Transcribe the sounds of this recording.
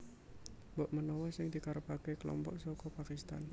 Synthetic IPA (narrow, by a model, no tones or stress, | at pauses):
mboʔmənɔwɔsɪŋd̪̥ikaɾəpakekəlɔ̰mpɔʔsɔkɔpakist̪a̰n